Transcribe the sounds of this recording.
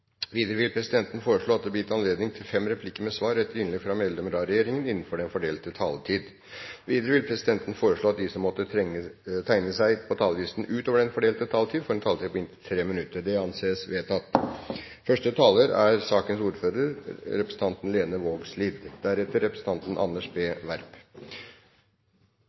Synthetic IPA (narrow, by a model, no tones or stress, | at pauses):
ʋiːd̪əɾəʋɪlpʰɾɛsɪd̪ɛnt̪ən̩foːɾəʂɭoːɑt̪̚d̪ɛbəjɪt̪ʰːɑnleːd̪nɪŋt̪ʰɪlfɛmɾɛpʰlɪkːəɾmɛsʋɑːɾɛt̪ːəɾɪnlɛɡfɾɑmɛld̪ɛməɾɑɾɛjeːɾɪŋənɪnːn̩fɔɖɛnfɔɖeːlt̪ət̪ʰɑ̰ːlt̪ʰiːd̪ | ʋiːd̪əɾəʋɪlpʰɾɛsɪd̪ɛnt̪n̩foːɾəʂɭoːɑt̪̚d̪ɪsɔmːɔt̪ːə | t̪ʰæɪnəsæɪpʰɔt̪ʰɑːlʋiːsn̩ʉːt̪oːʋəɖɛnfɔɖeːlt̪ət̪ʰɑːlt̪ʰiːd̪fɔɾɛnt̪ʰɑːlt̪ʰiːpɔɪnt̪ʰɪt̪ʰɾeːmɪnʉt̪ːəɖ̪ɛɑnseːsʋeːt̪ʰɑt̪ː | fœʂʈət̪ʰɑːləɾæɾsɑːkənsuːɾføːɾəɾɾɛpɾəsn̩t̪ɑnt̪n̩leːnəʋoːɡsliːd̪d̪æɾɛt̪ːəɾːɛpɾəsn̩t̪ɑnt̪ən̩ʔɑ̰nːəʂbeːʋæɾp